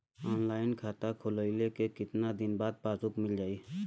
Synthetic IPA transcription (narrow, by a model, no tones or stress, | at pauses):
ɔːnlaːɪnkʰaːt̪akʰʊləɪlekekɪt̪nad̪ɪnbaːd̪̚paːzʊkmɪld͡ʒaːiː